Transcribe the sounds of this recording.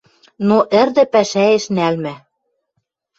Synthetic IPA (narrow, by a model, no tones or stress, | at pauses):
noʔɘ̆rd̪ɘ̆pæʃæeʃnælmæ